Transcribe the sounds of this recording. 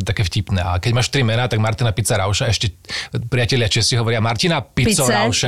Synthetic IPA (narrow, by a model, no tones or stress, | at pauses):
t̪akɛːfcipnɛ̰ːʔa̰kɛɟmaːʃt̪ɾimɛnaːt̪aɡmaɾt̪inapit͡saɾaʊʃaɛʃcɛpɾijacɛlɪat͡ʃɛsiɦɔʋɔɾɪamaɾt̪inapit͡sɔɾaʊʃɛ